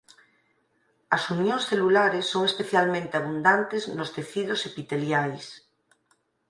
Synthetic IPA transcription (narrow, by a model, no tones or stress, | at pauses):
ɐsunjõŋsθelulaɾesːoŋespeθjalmẽnt̪eaβund̪ant̪eznost̪eθiðosepit̪eljajs